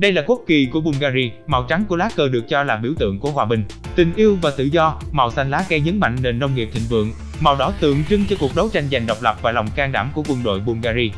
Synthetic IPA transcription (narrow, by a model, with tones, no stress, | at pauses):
ɗə˧jlaː˨˩ku˦˥t̚ki˨˩ku˧˩əɓu˧nɣaː˧zi˧ma˨˩wt͡ɕa˨˦ŋku˧˩əlaː˦˥kəː˧ɗɨ˨˩ək̚t͡ɕɔ˧laː˨˩ɓi˧˩wt̪ɨ̰˧˨əŋku˧˩əhwaː˧˩ɓï˨˩ŋ̟ | t̪ï˨˩ŋ̟ʔi˧əwvaː˨˩t̪ɨ̰˧˨zɔ˧ma˨˩wsa˧jn̟laː˨˦˥ɣɛ˧ɲə˨˦nma̰˧˨ŋ̟ne˧nzə˧wŋ͡mŋi˨˩əp̪̚ʰï˧˨ŋ̟vɨ̰˧˨əŋ | ma˨˩wɗɔ˨˦t̪ɨ̰˧˨əŋt͡ɕɨ˧ŋt͡ɕɔ˧ku˨˩ək̚ɗə˨˦wt͡ɕa˧jŋ̟za˨˩jŋ̟ɗɔ˨˩wk͡p̚lə˨˩p̚vaː˨˩lɔ˨˩wŋ͡mkaː˧ŋɗa̰ː˧˩mku˧˩əkwə˧nɗo̰˧˨jɓu˧nɣaː˧zi˧